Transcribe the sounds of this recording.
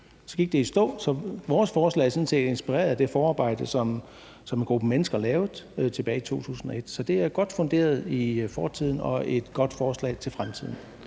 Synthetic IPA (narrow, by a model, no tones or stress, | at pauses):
sɒ̽ɡ̥iɡ̥̚d̥e̝isd̥ɔ̰̽ːsɒ̽ʋɒːsfɒːslɛ̰ːɐsɒ̽n̩se̝̰ːde̝nsb̥iʁɛ̰ːɐðˠd̥e̝fɒːɑ̈ːb̥ɑ̈ɪ̰d̥əsɒ̽m | sɒ̽menɡ̥ʁub̥əmenəsɡ̥ɐlɛːʊð̩ˠt͡sʰe̝b̥ɛːɪit͡sʰo̝̰ːt͡sʰṵːsn̩ɒ̽e̝d̥sɒ̽d̥e̝æɐɡ̥ɒ̽d̥fɔ̽ŋɡ̥e̝̰ːɐðˠifɒːt͡sʰið̰ˠn̩ɒ̽e̝d̥ɡ̥ɒ̽d̥fɒːslɛ̰ɪt͡sʰe̝lfʁamt͡sʰið̰ˠn̩